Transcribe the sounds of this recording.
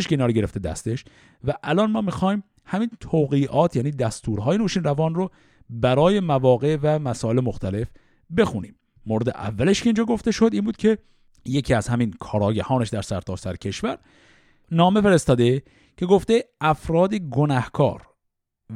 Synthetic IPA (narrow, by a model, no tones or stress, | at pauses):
eʃkeinɒːɾoɡe̞ɾe̞ft̪e̞d̪æ̰st̪e̞ʃ | væʔælɒːnmɒːmixɒːjm | hæmiːnt̪ʰoːɣiːʔɒːt̪ʰjæːniːd̪æst̪ʰuːɾɦɒːjenoːʃiːnrævɒːnro | bæɾɒːje̞mævɒːɣe̞ʔvæmæsɒːe̞lemoxt̪æle̞f | be̞xuniːmː | oɾed̪ḛʔæ̰vːæleʃkʰeiːnd͡ʒɒːɡo̞ft̪e̞ʃo̞d̪iːnbuːd̪̚cʰe̞ | jecʰiːæzhæminkʰɒːɾɒːɟæhɒːneʃd̪æɾsæɾt̪ʰɒːsæɾecʰe̞ʃvæɾ | nɒːme̞feɾest̪ɒːd̪e | cʰe̞ɡo̞ft̪eʔæfɾɒːd̪eɡonæhkʰɒ̰ːɾ